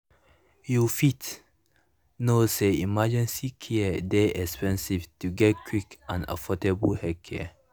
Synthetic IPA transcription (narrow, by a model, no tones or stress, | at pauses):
jufit | noseimad͡ʒə̃nsikʰiədeʔɛkspɛ̃nsiftuɡɛt̚kʰwikʔãnə̰fɔtəbəhɛkʰɛ̰